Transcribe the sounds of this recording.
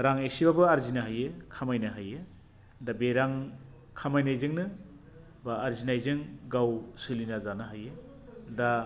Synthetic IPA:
ɾaŋesibabɯaɾzinaɦajekʰamajnaɦaje | dabeɾaŋ | kʰamajnajzɯŋnɯ | baːɾzinajzɯŋɡawsɯlinazanɯɦaje | da

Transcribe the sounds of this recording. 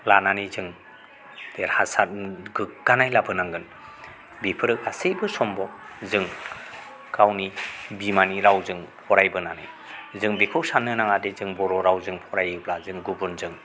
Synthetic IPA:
lananizɯŋ | teɾhasat̚ɡɯɡ̥anajlabɯnaŋɡɯn | bipʰɯɾɯk̚asejbɯsɔmbɔzɯŋ | kawnibimaniɾawzɯŋpʰɔɾajbɯnanɯ̰j | zɯŋbekʰɯwsanɯnaŋadezɯŋbɔɾɔɾawzɯŋpʰɔɾajɯblazɯŋɡubɯnzɯŋ

